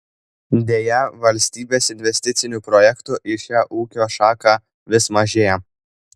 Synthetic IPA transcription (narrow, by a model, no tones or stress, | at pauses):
d̪ʲeːjɛʋɐlʲsʲt̪ʲiːbʲeːsɪnʲʋʲɛsʲt̪ʲɪt̪sʲɪnʲuːpɾɔjɛkt̪ʊʔɪʃʲæːʔuːkʲoːʃɑːkɑː | ʋʲɪsmɐʒʲeːjɛ